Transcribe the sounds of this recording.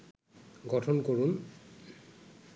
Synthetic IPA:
ɡɔtʰɔnkoɹun

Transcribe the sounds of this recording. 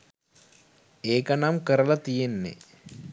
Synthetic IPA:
eːkɐnamkəɾəlɐt̪ijenːḛ

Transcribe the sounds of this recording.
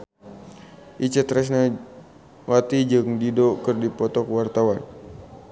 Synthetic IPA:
ʔit͡ʃət̪ɾɛs̬na | wat̪id͡ʒɨŋdidokɨrdipɔt̪ɔkwart̪awan

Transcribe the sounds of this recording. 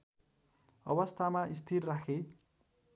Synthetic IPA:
ʌ̰bʌst̪ʰamaist̪ʰirrakʰe

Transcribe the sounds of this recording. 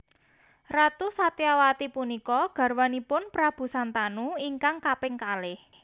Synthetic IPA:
rat̪usat̪iawat̪ipunikɔɡ̥ä̤rwanipʊnpɾab̥ṳsant̪anuiŋkaŋkapɪŋkalɪh

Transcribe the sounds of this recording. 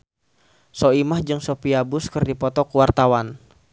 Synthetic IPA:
sɔimahd͡ʒɨŋsopiabʊskɨrdipɔt̪ɔkuwart̪awan

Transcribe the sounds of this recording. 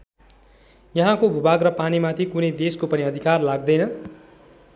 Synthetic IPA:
jʌɦãkobʱubaɡrʌpanimat̪ʰikunʌjd̪eskopʌniʌd̪ʱikarlaɡ̚d̪ʌjnʌ

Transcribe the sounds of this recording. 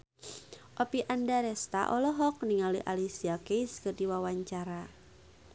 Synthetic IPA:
ʔɔpiʔandaɾɛst̪a̰ʔɔlɔɦɔk̚niŋaliʔalisiakejskərdiwawaɲt͡ʃaɾa

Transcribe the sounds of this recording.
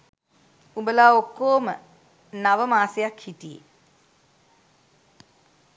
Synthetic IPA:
umbəlaːokːoːmə | naʋəmaːsejakhitijḛ

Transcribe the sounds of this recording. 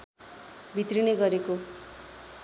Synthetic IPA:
bʱit̪rineɡʌɾeko

